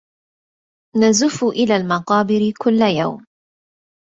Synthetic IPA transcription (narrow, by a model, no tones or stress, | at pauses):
nazʊfʊʔɪlaːlmɑqɑːbɪɾɪkʊlːaja̰wm